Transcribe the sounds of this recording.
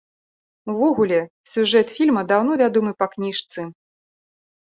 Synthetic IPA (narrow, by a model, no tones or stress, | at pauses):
uvɔɣulʲɛ | sʲuʐɛt̪fʲilʲmɐd̪awn̪ɔvʲad̪ɔmɨpɐknʲiʂt̪sɨ